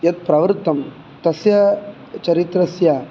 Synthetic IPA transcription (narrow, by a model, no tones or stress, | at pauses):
jɐt̪̚pɾɐʋɾt̪ːɐm | t̪ɐsjɐ | t͡ʃɐɾit̪ɾɐsja